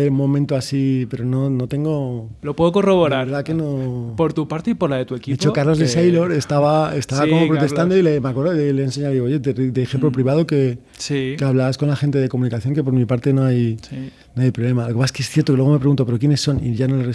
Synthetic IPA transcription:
emõ̞mẽnt̪oasipe̞ɾo̞no̞no̞t̪e̞ŋɡolopweðokoroβoɾaɾɾðakenopoɾt̪upaɾt̪eipoɾlaðet̪uekiet͡ʃokaɾlo̞zðesejloɾe̞st̪aβaest̪aβakomopɾot̪e̞st̪and̪oilemakweɾðoeleense̞ɲawðiɣoje̞t̪ed̪eːxemplopɾiβaðoke̞ | sikeaβlaβasko̞nlaxe̞nt̪eðe̞komũnikaθjo̞ŋke̞p̬o̞ɾmipaɾt̪e̞no̞aj | noajpɾoβle̞malokepaseskesθjeɾt̪okelweo̞mepɾe̞ɣunt̪o̞pe̞ɾo̞kje̞ne̞sːo̞nḭʝanoleres

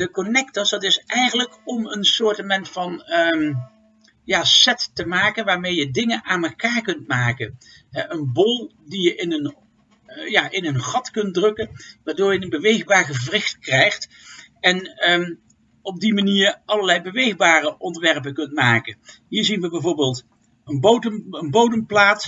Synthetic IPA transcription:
dəkɔnɛktəsdɑtɪsʔɛjχənləkɔmənsʊːɹtəmɛntfɑn | jaːsɛtːəmaːkənʋaːɹmejədɪŋənʔaːnməkaːɹkɵntmaːkən | ɦɛʔənbɔlˠ | dijəʔɪnən | jaːʔɪnənχɑtkɵnt̚drɵkənʋaːɹdʊːɹjənənbəʋejχbaːɹχəvrɪxtkrɛjχt | ɛn | ɔb̚dimaniːɹɑlˠəɹlɛjbəʋejχbaːrəʔɔndəʋɛɹpəkɵntmaːkənɦiːɹzinʋəbɛjvoːɹbeːlˠt | ənbowdəmənbowdəmplaːt

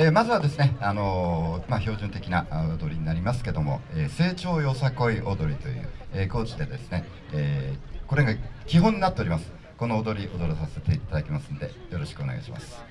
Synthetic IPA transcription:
eːmazɨβad̪e̞sɨne̞ano̞maço̞ːʑɨ̃nt̪e̞kʲinaod̪o̞ɾʲiɲ̟inaɾʲimasɨ̥ke̞d̪o̞mo̞̰eːse̞ːt͡ɕo̞ːjo̞sako̞iʔo̞d̪o̞ɾʲit̪o̞jɯ̟̰ːeːko̞ːt͡ɕid̪e̞d̪e̞sɨne̞ | eːko̞ɾe̞ɡakʲiɦõ̞ɲ̟ːinat̪ːe̞o̞ɾʲimasɨ̥ | ko̞no̞ːd̪o̞ɾʲiʔo̞d̪o̞ɾosase̞t̪e̞it̪ad̪akʲemasɨ̥nod̪e̞̰jo̞ɾo̞ɕi̥kɯone̞ɡa̰iɕḭma̰sɨ̥

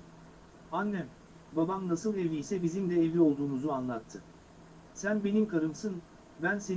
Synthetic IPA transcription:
anːɛ | babamnasɯlˠeviːsɛbizimd̪ɛevio̞lˠd̪uːmuzuanlˠat̪ʰːɯ | sænbe̞nimkʰaɾɯmsɯn | bænse̞

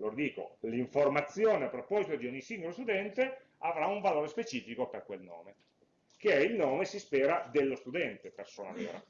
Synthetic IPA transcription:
loːɾd̪iːko̰liɱformat̪sːjoːneapːɾopɔzit̪od̪iɔɲːisiŋɡolost̪ud̪ɛnt̪e | avɾauɱvaloːɾespet͡ʃiːfikoperkwelno̰ːme | keɛilnoːmesispɛːɾad̪elːost̪ud̪ɛnt̪epersoːna̰nḛːɾa̰

